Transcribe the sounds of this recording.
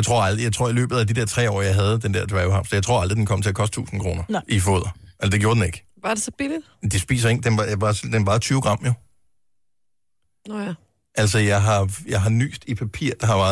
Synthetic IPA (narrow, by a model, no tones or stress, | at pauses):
ɪt͡sʰʁo̝ɐɑ̈ldʁijɑ̈ɪt͡sʰo̝ɐ̰ilø̰ːb̥ð̞̩ˠæd̥id̥eɐt͡sʰʁɛ̰ːɒ̰ːjɑ̈ɪɦæð̞ˠd̥end̥eɐ̰d̥ɛɪhɑ̈fsɒjɑ̈ɪt͡sʰʁo̰ɐldʁid̥enkʰɒ̽m̰ət͡sʰe̝ækʰɒ̽sd̥t͡sʰṵːsn̩kʰʁo̝ːnɐʔifɔ̰ːð̞̰ˠɐæsd̥eɡ̥jo̝ɐd̥ene̝ɡ̥ | ʋɑd̥esɒb̥elid̥ | d̥e̝sb̥ḭːs̬ɐe̝ŋ̰d̥enʋɑsd̥enbɑ̈ːt͡sʰyːʊɡ̥ʁɑ̈m̰jo̝ | ʔælsɒjɑ̈ɪɦɑ̈jɑɪɦɑ̈ny̰ːsd̥ipʰæpʰḭɐ̰d̥ɑ̈ɦɑ̈ʋæɐ